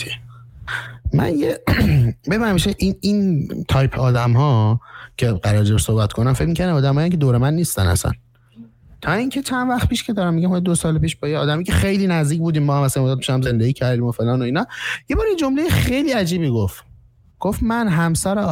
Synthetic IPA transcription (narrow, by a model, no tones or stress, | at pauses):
mæ̰nje | bebæɾmiʃeʔinint̪ʰɒjpʰɒːd̪æmɦɒːcʰe̞ɢæɾɒːɾd͡ʒebsohbæt̪kʰonæmfe̞cmiːcʰæɾd̪æmɒːd̪æmɒːjæŋcʰed̪oːɾemænːiːst̪æ̰næ̰sæ̰n | t̪ʰɒːiŋkʰe̞t͡ʃʰænvæxt̪̚pʰiːʃcʰe̞d̪ɒːɾæmːiɟæmhɒjd̪osɒːlepiːʃbɒːjeɒːd̪æmijicʰexejliːnæzd̪iːc̬̚ʰbuːd̪iːmbɒːhæmæsæjmod̪ɒt̪miʃæmze̞nd̪eɡiːcʰæɾd̪iːmo̞fe̞lɒːno̞iːnɒjebɒːɾjed͡ʒomlejexejliːæd͡ʒiːbiːɡoft̪ | ɡ̥ofmænɦæmsæɾe